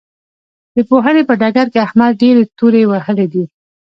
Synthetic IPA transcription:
d̪̥əpoɦənepəɖɑɡaɾkeahmad̪̚ɖeɾet̪uɾewahəled̪i

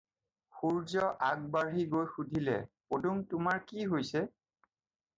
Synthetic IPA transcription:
xuɹzɔʔaɡ̚baɹiɡojxudʱilɛ̰poduŋtʊmaɹkiɦojsɛ

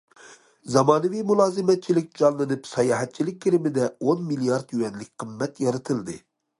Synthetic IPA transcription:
zɑmɑːnɨvijmulˠɑːzɪmɛt̪̚t͡ʃʰilɪkʲd͡ʒɑnlˠɨnɨpsɑjɑːɦɛt̪̚t͡ʃʰilɪk̚ʲːʰiɾɪmɪd̪ɛonmilijɑɾd̪jywɛnlɪk̚ʲqʰəmːɛt̪jɑɾɨt̪ʰɨlˠd̪ɨ

